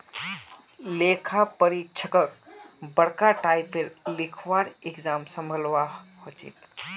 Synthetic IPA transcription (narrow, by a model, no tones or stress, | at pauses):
leːkʰapəɾikt͡ʃʰəkəkbəɽkaʈaːɪpːeɾlɪkʰwaːɾekd͡ʒaːmsə̃mbʱəlʋahot͡ʃḭt̪